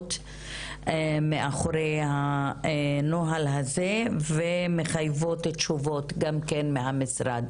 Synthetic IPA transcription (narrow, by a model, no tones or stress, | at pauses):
t̪ | meʔaχoɾejha | noɦalɦazevemeχajvotetʃuvotɡamkenmeɦamisɾad̪